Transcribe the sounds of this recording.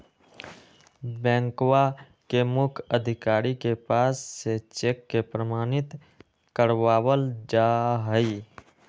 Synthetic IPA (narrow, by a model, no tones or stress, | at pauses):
bɛ̃ːŋkwa | kemʊkʰəd̪ʱɪkaːɾikepaːsːet͡ʃeːkːepɾəmaːnɪt̪ | kəɾwaːwəld͡ʒaːɦəi